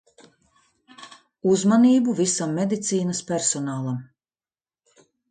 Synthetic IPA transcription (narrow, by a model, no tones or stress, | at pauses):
uzmaniːbuvisamːɛd̪it̪siːnɐspʲɛɾsɔnaːlˠam